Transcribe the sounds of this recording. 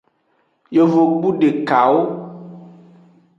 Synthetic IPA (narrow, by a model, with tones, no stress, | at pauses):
jo˨vo˨k͡pu˦ɖe˨ka˨wo˦